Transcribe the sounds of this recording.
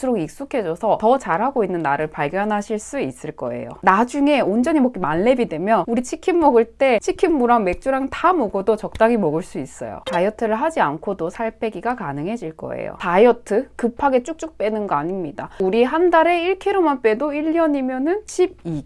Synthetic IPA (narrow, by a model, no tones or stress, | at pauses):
sʰɯɾoɡik̚s͈ukʰe̞d͡ʑʌsʰʌtʌt͡ɕaɾɦaɡoinːɯnːaɾɯɭpaɭɡjʌnɦaɕʰiɭs͈uis͈ɯɭk͈ʌ̰e̞̰jo̰nad͡ʑuŋe̞ond͡ʑʌɲimʌk͈imanːe̞bidwe̞mjʌnuɾit͡ɕʰikʰimːʌɡɯɭt͈e̞t͡ɕʰikʰimːuɾaŋme̞k̚t͡ɕ͈uɾaŋtamoɡodot͡ɕʌk̚t͈aɡimʌɡɯɭs͈uis͈ʌ̰jo̰tajʌtʰɯɾɯɭɦad͡ʑiankʰodosʰaɭpʰe̞ɡiɡakanɯŋɦe̞d͡ʑiɭk͈ʌ̰ḛjo̰tajʌtʰɯkɯpʰaɡe̞t͡ɕ͈uk̚t͡ɕ͈uk̚p͈e̞nɯnɡʌaɲimɲidauɾiɦandaɾe̞iɭkʰiɾomanp͈e̞doiʎːʌɲimjʌnɯnɕʰib̚i